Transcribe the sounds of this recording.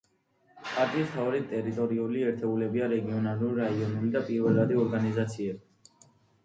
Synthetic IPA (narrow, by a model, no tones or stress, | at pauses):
pʼaɾt̪ʼiːst̪ʰaɔɾɛt̪ʼɛɾit̪ʼɔɾiuliɛɾt̪ʰɛulɛbiaɾɛɡiɔnaluɾɾaiɔnulid̪apʼiɾvɛlad̪iɔɾɡanizat̪sʰiɛbi